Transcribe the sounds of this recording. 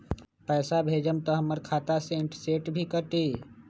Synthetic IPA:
pɛːsabʱeːd͡ʒəmt̪əɦɐməɾkʰaːt̪aseːɳʈseːʈbʱikəʈiː

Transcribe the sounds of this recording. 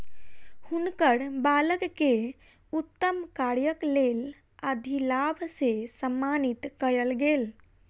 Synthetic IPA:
hunkəɽbaləkkːe | ut̪ːəmkaɾjəklel | əd̪ʱilabʱsesəmːanit̪kəjəlɡeːl

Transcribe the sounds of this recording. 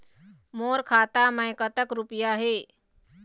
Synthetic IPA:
moːɾkʰaːt̪aməjkət̪əkɾʊpjaɦeː

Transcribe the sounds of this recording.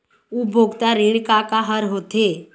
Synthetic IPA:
ubʱoɡt̪aɾiɳkakaɦəɾɦot̪e

